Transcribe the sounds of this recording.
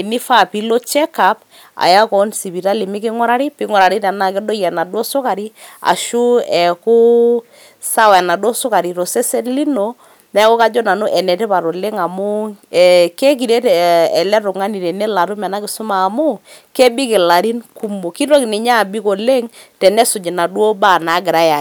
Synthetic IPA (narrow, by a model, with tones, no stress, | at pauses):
ni˦fa˦˨pi˦lo˦t͡ʃɛ˦ka˨p̚ | a̰˨ja˦kɔ˨˦nsi˨pi˨ɾa˦li˨mɪ˦kɪ˦ŋɔ˦ɾa˦ɾi˦pɪ˦ŋɔ˨ɾa˨ɾi˦tɛ˨na˨kɪ˦dɔ˦jɛ˨na˨dwɔ˦sʊ˦ka˨ɾi˦a̰˨ʃu˦ɛ˨kʊ˦ | sa˦wɛ˨na˨dɔ˦sʊ˦ka˨ɾi˨tɔ˨sɛ˦sɛ˦nli˦no˨ | mɛ˦kɔ˦ka˦d͡ʒɔ˦na˨no˦ʔɛ˨nɛ˨tɛ˦pa˨ɾo˨le˦ŋa˨mʊ˦ɛ˨ke˦k̬i˨ɾe˦tɛ˨ɛ˨lɛ˦ɾʊ˨ŋa˦ni˨ɾɛ˨nɛ˦la˨ɾu˦mɛ˨na˦kɪ˨sʊ˦maː˨mʊ˦ke˦bɪ˦kɪ˨la˨ɾi˦nku˦mo˨ki˦ɾo˦knɪ˨ɲa˦˨bi˦ko˨le˦ŋtɛ˨nɛ˦sʊ˨d͡ʒɪ˨na˨dwo˦ba˦˨na˨˦ɡɪ˨ɾa˦ja˨